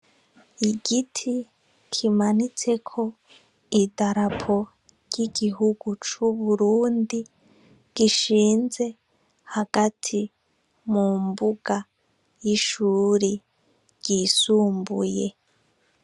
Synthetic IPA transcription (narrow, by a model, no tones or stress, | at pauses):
iɡitʰi | kʰimanit͡se̞kʰo̞ | idaɾapʰo̞ | ɾɟiɡiɦuɡ̥ut͡ʃuβuɾuːndi | ɡ̥iʃiːnze̞ | haɡ̥atʰi | mumbuɡa | jiʃuːɾi | ɟ̥isuːmbṵje̞